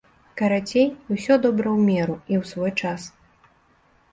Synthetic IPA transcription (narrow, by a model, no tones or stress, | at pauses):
kɐɾat͡sʲejwsʲɔd̪ɔbɾɐwmʲɛɾuiwsvɔjt͡ʂas